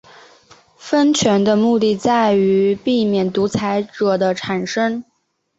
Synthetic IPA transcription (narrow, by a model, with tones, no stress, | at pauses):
fə˥nt͡ɕʰɥɛ˧˥nd̪ə˧mu˥˧t̪i˥˧t͡sa˥˩ɪy˧˥pi˥˩mjɛ˨˩nt̪u˧˥t͡sʰa˧˥ɪʈ͡ʂɤ˨˩d̪ə˦ʈ͡ʂʰa˨˩nʂə˥ŋ